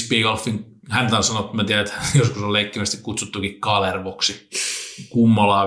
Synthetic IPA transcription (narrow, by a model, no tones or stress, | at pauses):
spiːɡɑlfːiŋ | hænt̪ɑnsɑnot̪ːmæt̪iæet̪joskusolleikːimæst̪ikkut̪sut̪ːukikkɑlerʋoksi | kumːolɑː